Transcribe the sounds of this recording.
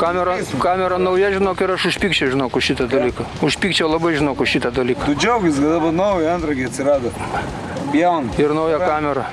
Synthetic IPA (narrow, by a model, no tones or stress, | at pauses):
kɑːmʲɛɾɐkɑːmʲɛɾɐnɐʊjɛʒʲɪnoːkɪɾɐʃʊʃʲpʲiːkt͡ʃʲɛʊʒʲɪnoːkʊʃʲit̪ɐd̪ɐlʲiːkɐʊʃʲpʲiːkt͡ʃʲɛʊlˠɐbɐɪʒʲɪnoːkʊʃʲit̪ɐd̪ɐlʲiːkɐt̪ʊd͡ʒʲɛʊɡʲɪskɐd̪ɐbɐnɐʊjɐɐnt̪ɾɐɡʲɪɐt̪ʲsʲɪɾɑːd̪ɐ | bʲjɛʊnɪrnɐʊjɛkɑːmʲɛɾɐ